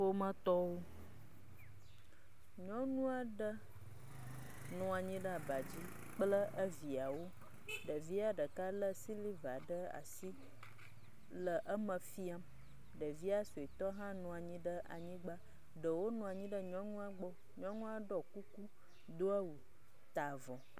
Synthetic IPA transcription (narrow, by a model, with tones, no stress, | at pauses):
o˦mə̃˦t̪ɔ˦wo˦ | ɲɔ̃˦nũ˦a˨ɖə˦ | nɔ̃˨a˨ɲĩ˦ɖə˦a˨ba˨d͡ʑi˦ | k͡plə˦ʔə˦vi˨a˨wo˦ | ɖə˨vi˦a˨ɖə˨ka˦lə˦si˦li˦va˨ɖə˦a̰˨si˦ | lə˨ʔə˦mə̃˨fi˦a˦m | ɖə˨vi˦a˦so˨e˨t̪ɔ˦ɦã˦nɔ̃˨a˨ɲĩ˦ɖə˦ʔa̰˨ɲĩ˦ɡ͡ba˦ | ɖə˨wo˦nũ˨a˨ɲĩ˦ɖə˦ɲɔ̃˦nũ˦a˦ɡ͡bɔ˦ | ɲɔ̃˦nũ˦a˦ɖɔ˦ku˦ku˦ | d̪o˦a˦wu˨ | t̪a˨vɔ̃˨